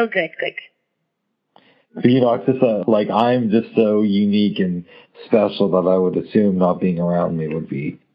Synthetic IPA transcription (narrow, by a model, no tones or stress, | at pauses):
oʊɡeɪd̚kʰɪk | fijɨnɔk̚sɨsʌlaɪkãɪ̃md͡ʒʌstsoʊjʉnikɨ̃nspɛʃl̩ˠðəɾaɪwəɾɨsʉ̃mnət̚b̥iɪ̃ŋə˞ãʊ̃n̚miwəd̚bi